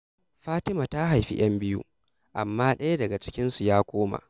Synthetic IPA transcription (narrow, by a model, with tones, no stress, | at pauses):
ɸaː˦tɪ˦ma˨ta˦ɦa˨jɸḭ˦j̰ɐ˦mbɪ˦jṵ˦ | ʔa̰˨mːaː˦ɗɐ˦ja˦dɐ˨ɡa˨t͡ʃɪ̥˦kʲɪ˦nsu˨jaː˦kʷoː˦ma̰˨